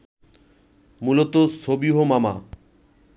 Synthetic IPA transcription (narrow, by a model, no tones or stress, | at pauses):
mulot̪osobiɦomama